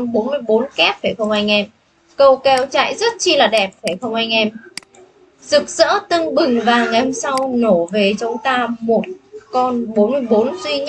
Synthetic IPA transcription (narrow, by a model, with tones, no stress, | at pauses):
ɓo˨˦nmɨ˧əjɓo˨˦nkɛ˦˥p̚fe˧˩xə˧wŋ͡mʔa˧jŋ̟ʔɛ˧m | kə˧wkɛ˧wt͡ɕa̰˧˨jzə˦˥t̚t͡ɕi˧laː˨˩ɗɛ˨˩p̚fe˧˩xə˧wŋ͡mʔa˧jŋ̟ʔɛ˧m | zɨ˨˩k̚z̥ə̰˧˥t̪ɨ˧ŋɓɨ˨˩ŋvaː˨˩ŋa˨˩ho˧msa˧wno˧˩ve˨˩t͡ɕʊ˨˦wŋ͡mt̪aː˧mo˨˩t̚kɔ˧nɓo˨˦nmɨ˧əjɓo˨˦nzwi˧ɲ˦